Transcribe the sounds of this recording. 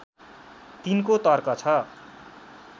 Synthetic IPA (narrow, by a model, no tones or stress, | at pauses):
t̪inkot̪ʌrkʌt͡sʰʌ